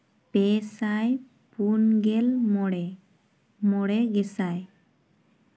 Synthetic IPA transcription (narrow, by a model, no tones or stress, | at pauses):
pɛsaj | punɡɛlmɔɽɛ | mɔɽɛɡɛsaj